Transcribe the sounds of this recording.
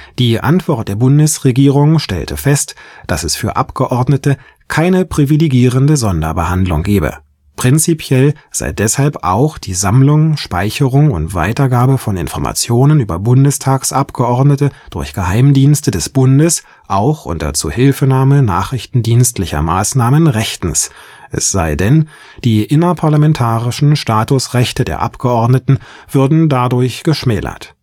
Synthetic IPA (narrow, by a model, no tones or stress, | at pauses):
d̥iːʔa̰ntv̥ɔɐt̚d̥eːɐbʊndəsʁeɡiːʁ̞ʊŋʃtɛ̰ltʰəfɛstd̥asɛsfyːɐʔa̰pɡ̥əʔɔɐdnətə | kʰaɪnəpʁ̥iviliɡiːʁəndəzɔndɐbəhandlʊ̰ŋɡeːbə̰ | pʁ̥ɪnt͡sipʰjɛlz̥a̰ɪdɛshalpʔa̰ʊxd̥iːzamlʊŋʃpaɪçəʁʊŋʊ̰ntv̥a̰ɪtɐɡaːbəfɔnɪ̰nfɔɐma̰t͡sjoːnənyːbɐbʊndəstʰaːksʔapɡ̥əʔɔɐdnətəd̥ʊɐçɡ̥əhaɪmdiːnstədɛsb̥ʊndəs | ʔaʊxʔʊ̰ntɐ̰t͡sṵːhɪlfənaːməna̰ːχʁɪçtn̩diːnstlɪçɐ̰maːsnaːmənʁɛçtn̩s | ʔɛ̰sz̥a̰ɪdɛn | d̥iːʔɪnɐpʰaɐlamɛntʰaːʁɪʃn̩ʃtaːtʊsʁɛçtədḛːɐʔa̰pɡ̥əʔɔɐdnətn̩v̥ʏɐdn̩dadʊɐçɡ̥əʃmɛːlɐ̰t